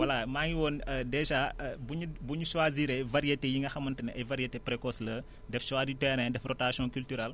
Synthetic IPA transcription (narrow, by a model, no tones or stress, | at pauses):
wɐlamaːŋiwoːnədɛʒabuɲubuɲuʃwaːziːɾɐjvɐɾijetejiŋɡɐxɐmɐntɐnɛɐjvɐɾijetepɾekɔslə | dɛfʃwaːditɛɾɛ̃dɛfrɔtasɔ̃kyltyɾɛl